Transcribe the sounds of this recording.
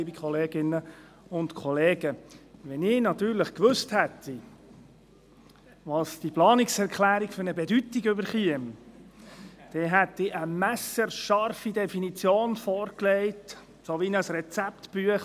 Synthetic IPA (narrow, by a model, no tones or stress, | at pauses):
iːbikχɔleːɡɪnːə | ʊnt̪kʰɔleːɡəʋɛnɪːnɑt̪yːɾləχkʋɵsthɛt̪ʰːi | ʋɑsd̥iplɑːnɪksɛɾkχlæːɾikfɵɾnəbɛdyt̪iɡʏbəɾχiəm | d̪̥ɛɦæt̪ɪʔəmæsəɾʃɑɾfidɛfinit͡sjoːnfɔːɾklɛɪt | soʋinəsɾɛt͡sæpt̪b̥yəχ